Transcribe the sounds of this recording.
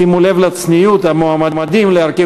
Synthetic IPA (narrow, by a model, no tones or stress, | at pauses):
imule̞vlat͡snijut̪hamoamamad̪imleaɾke